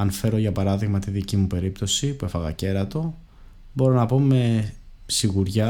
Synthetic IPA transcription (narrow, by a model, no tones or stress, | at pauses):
ɐnfe̞ɾo̞ʝɐpɐɾɐðiɣmɐt̪iðicimupe̞ɾipt̪o̞sipue̞fɐɣɐ̰ce̞ɾɐt̪o̞ | bo̞ɾo̞nɐpo̞me̞siɣuɾʝɐ